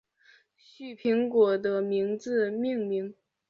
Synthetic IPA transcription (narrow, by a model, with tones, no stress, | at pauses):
ɕy˥˩pʰi˧˥ŋkwɔ˨˩d̪ə˦mi˧˥ŋd͡zɹ̩˧mi˥˧ŋmi˧˥ŋ